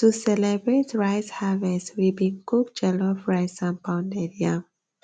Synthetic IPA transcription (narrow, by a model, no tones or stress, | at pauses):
tusɛlɛbɹetɹajshavɛswibĩŋkuk̚d͡ʒɛlɔfɹajsãmpãwnedia